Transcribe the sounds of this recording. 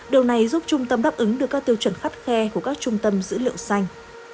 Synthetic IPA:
ɗi˨˩əwna˨˩jzu˦˥p̚t͡ɕʊ˧ŋ͡mt̪ə˧mɗaː˦˥p̚ʔɨ˨˦ŋɗɨ˨˩ək̚ːt̪i˧əwt͡ɕə˧˩nxa˦˥jk̚xɛ˧ku˧˩əkaː˦˥k̚t͡ɕʊ˧ŋ͡mt̪ə˧mzɨ̰˧˥lḭ˧˨əwsa˧jŋ̟

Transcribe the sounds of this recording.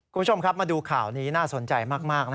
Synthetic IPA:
ku˧mʰ˦˥˩t͡ɕo˧mkʰa˦˥p̚maː˧duː˧kʰaː˨˩wniː˦˥naː˥˩so˨˩˦nt͡ɕa˧jmaː˥˩k̚maː˥˩k̚na˦˥

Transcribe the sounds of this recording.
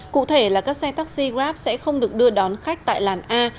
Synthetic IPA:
kṵ˧˨t̪ʰe˧˩laː˨˩kaː˦˥k̚sɛ˧t̪aː˦˥k̚si˧ɣaː˦˥p̚sɛ̰˧˥xə˧wŋ͡mɗɨ˨˩ək̚ɗɨ˧əɗɔ˨˦nxa˦˥jk̟̚t̪a̰ː˧˨jlaː˨˩nʔaː˧

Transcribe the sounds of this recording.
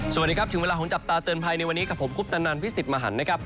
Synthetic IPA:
s̚diː˧kʰa˦˥p̪̚ʰɯ˩˦ŋeː˧laː˧kʰo˩˦ŋt͡ɕa˨˩p̚t̪aː˧t̪ɯː˧ənpʰaː˧jna˧jwa˧nːiː˦˥ka˨˩pʰo˩˦mkʰuː˥˩p̚t̪a˧nːaː˧npʰi˦˥seː˨˩t̪̚maː˧ɦa̰˩˦nːa˦˥kʰɾa˦˥p̚

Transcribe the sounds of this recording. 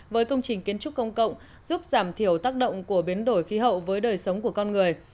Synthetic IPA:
vəː˨˦jkə˧wŋ͡mt͡ɕï˨˩ŋ̟ki˨˦ənt͡ɕʊ˦˥k͡p̚kːə˧wŋ͡mkə̰˧˨wŋ͡m | z̥u˦˥p̚zaː˧˩mt̪ʰi˧˩əwt̪aː˦˥k̚ɗə̰˧˨wŋ͡mku˧˩əɓi˨˦ənɗo˧˩jxi˨˦ɦə̰˧˨wvəː˨˦jɗəː˨˩jsə˨˦wŋ͡mku˧˩əkɔ˧nŋɨ˨˩əj

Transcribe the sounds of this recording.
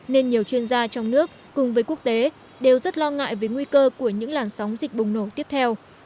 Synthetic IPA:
ne˧nɲi˨˩əwt͡ɕwi˧ənzaː˧t͡ɕɔ˧wŋ͡mnɨ˦˥ək̚ːʊ˨˩ŋ͡mvəː˨˦jku˦˥ək̚t̪e˨˦ | ɗe˨˩wzə˦˥t̚lɔ˧ŋa̰ː˧˨jvəː˨˦jŋwi˧kəː˧ku˧˩əɲɨ̰˧˥ŋlaː˨˩nsa˨˦wŋ͡mzi˨˩k̟̚ɓʊ˨˩ŋ͡mno˧˩t̪i˦˥əp̚t̪ʰɛ˧w

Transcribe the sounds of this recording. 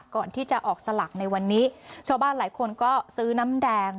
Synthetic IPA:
kːɔː˨˩nt̪ʰiː˥˩t͡ɕa˨˩ʔɔː˨˩k̚sa˧la˨˩k̚na˧jwa˧nːiː˦˥t͡ɕʰaː˧wbaː˥˩nlaː˩˦jkʰo˧nkɔː˥˩sɯː˦˥na˦˥mdɛː˧ŋ

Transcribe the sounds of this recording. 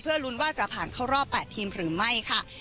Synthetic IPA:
pʰɯ˥˩ɐlu˨˦˥nwaː˥˩t͡ɕa˨˩ʔpʰaː˨˩nkʰa˦˥˩wɾɔː˥˩pːɛː˨˩t̪ʰːiː˧mɾɯː˩˦ma˥˩jkʰa˥˩

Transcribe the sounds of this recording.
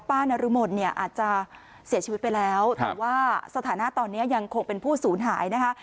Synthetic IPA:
paː˥˩nːa˧ɾɯ˦˥mo˧˩n̚ni˥˩ɐʔa̰ː˨˩t̪̚t͡ɕa˨˩ | si˩˦t͡ɕʰi˧i˦˥t̪̚pa˧jlɛː˦˥wt̪ɛ̰ː˨˩waː˥˩sa˧t̪ʰaː˩˦na˦˥t̪ɔː˧nːi˦˥ɐja˧ŋkʰo˧ŋpe˧npʰuː˥˩suː˩˦nɦaː˩˦jna˦˥kʰa˦˥ʔ

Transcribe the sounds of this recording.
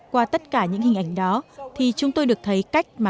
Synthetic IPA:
kwaː˧t̪ə˦˥t̚kaː˧˩ɲɨ̰˧˥ŋhï˨˩ŋ̟ʔa˧˩jŋ̟ɗɔ˨˦t̪ʰi˨˩t͡ɕʊ˨˦ŋ͡mt̪o˧jɗɨ˨˩ək̚t̪ʰə˨˦jka˦˥jk̟̚maː˨˩

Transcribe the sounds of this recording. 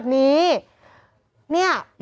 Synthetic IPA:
t̪̚niː˦˥ | ni˥˩ɐm

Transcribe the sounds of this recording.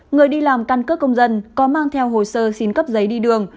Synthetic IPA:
ŋɨ˨˩əjɗi˧laː˨˩mka˧nkə˦˥t̚kə˧wŋ͡mzə˧nkɔ˨˦maː˧ŋt̪ʰɛ˧wɦo˨˩jsəː˧si˨˦nkə˦˥p̚zə˨˦jɗi˧ɗɨ˨˩əŋ

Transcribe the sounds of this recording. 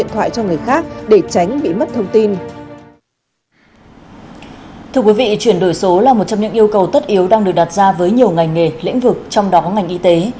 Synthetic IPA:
ənt̪ʰwa̰ː˧˨jt͡ɕɔ˧ŋɨ˨˩əjxaː˦˥k̚ɗe˧˩t͡ɕa˨˦jŋ̟ɓḭ˧˨mə˦˥t̚t̪ʰə˧wŋ͡mt̪i˧n | t̪ʰɨ˧əkwi˨˦vḭ˧˨t͡ɕwi˧˩ənɗo˧˩jso˨˦laː˨˩mo˨˩t̚t͡ɕɔ˧ŋ͡mɲɨ̰˧˥ŋʔi˧əwkə˨˩wt̪ə˦˥t̚ʔi˨˦əwɗaː˧ŋɗɨ˨˩ək̚ɗa˨˩t̚zaː˧vəː˨˦jɲi˨˩əwŋa˨˩jŋ̟ŋe˨˩lḭ˧˥ŋ̟vɨ˨˩k̚t͡ɕɔ˧wŋ͡mɗɔ˨˦kɔ˨˦ŋa˨˩jŋ̟ʔi˧t̪e˨˦

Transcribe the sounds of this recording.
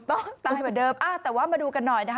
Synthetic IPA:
t̪ɔ˥˩ŋt̪aː˧˩˧jmaː˨˩dɤː˧mʔaː˧˩t̪ɛː˨˩waː˥˩maː˧duː˧ka˧nːɔ˨˩jna˦˥kʰ

